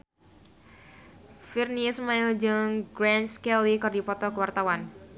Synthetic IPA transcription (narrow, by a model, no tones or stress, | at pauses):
firnismaɪld͡ʒɨŋɡɾɛnskɛlikərdipɔt̪ɔkəwart̪awan